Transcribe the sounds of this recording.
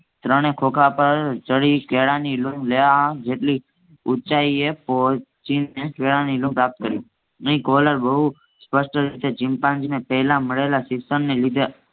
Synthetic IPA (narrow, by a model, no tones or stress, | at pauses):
t̪ɾəɽ̃ekʰokʰapəɾt͡ʃəɽikeɽanilũmlejaɦd͡ʒeʈli | ut͡ʃaiepo | t͡ʃinːekeɭanilũmpɾap̚t̪̚kəɾi | əĩkɔləɾbəɦu | spəʃʈəɾit̪ed͡ʒɪ̃mpãnd͡ʒinepəɦlãməɭelasɪksənnelid̪ʱe